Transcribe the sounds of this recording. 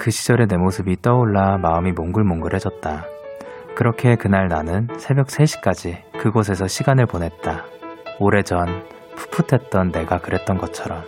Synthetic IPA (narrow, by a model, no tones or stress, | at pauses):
kɯɕʰid͡ʑʌɾe̞ne̞mosʰɯbit͈ʌoɭːamaɯmimoŋɡɯɭmoŋɡɯɾɦe̞d͡ʑʌt̚t͈a | kɯɾʌkʰe̞kɯnaɭnanɯnsʰe̞bjʌk̚s͈ʰe̞ɕʰi̥k͈ad͡ʑikɯɡos̬ʰe̞sʰʌɕʰiɡanɯɭponɦe̞t̚t͈aoɾe̞d͡ʑʌn | pʰu̥pʰutʰe̞t̚t͈ʌnːe̞ɡakɯɾe̞t̚t͈ʌnɡʌt͡ɕʰʌɾʌm